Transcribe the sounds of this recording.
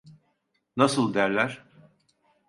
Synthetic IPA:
nasɯlˠd̪æɾlʲæɾ̥

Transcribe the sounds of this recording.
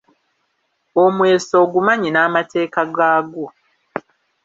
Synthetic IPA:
omwe̞ːso̞ːɡumaɲinaːmatʰe̞ːkaɡaːɡo

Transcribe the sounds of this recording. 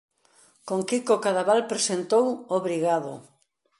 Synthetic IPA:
koŋkikokaðaβalpɾesent̪owoβɾiɣaðo̰

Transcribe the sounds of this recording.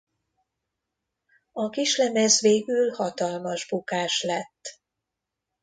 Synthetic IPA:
ɒkiʃlɛmɛzʋeːɡylhɒt̪ɒlmɒʒbukaːʃlɛt̪ː

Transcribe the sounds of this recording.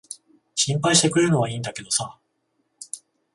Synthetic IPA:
ɕĩmpaiɕit̪e̞kɯ̟ɾeɯno̞βaĩːnd̪ake̞d̪o̞sa

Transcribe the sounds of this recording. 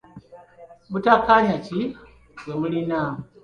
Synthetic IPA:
mutakːaɲaci | bwemulina

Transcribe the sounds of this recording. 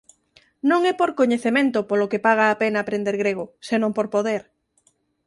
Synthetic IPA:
nõŋɛpoɾkoɲeθemẽnt̪ʊpolokepaɣ̞aːpenaːpɾend̪eɾɣɾeɣ̞osenõmpoɾpoðeɾ

